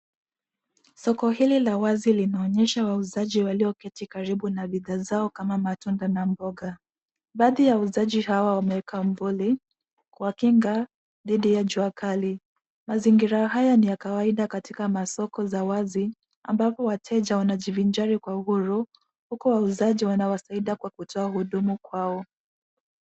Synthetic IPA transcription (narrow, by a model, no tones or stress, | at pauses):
sɔkɔɦililawazilinaɔɲɛʃawauzaʄiwaliɔkɛtikaɾiɓunaɓiðazaɔkamamatundanambɔɡa | ɓaːðijauzaʄihawawamɛɛkaɱ̩vuli | kuwakiŋɡa | ðiɗijaʄuakʰali | maziŋɡiɾaɦajanijakawaiɗakatikamasɔkɔzawazi | a̰mbapɔwatʰɛʄawanaʄivind͡ʒaɾikwauhuɾu | hukɔwauzaʄiwanawasaiɗakwakutʰɔahuɗumukwaɔ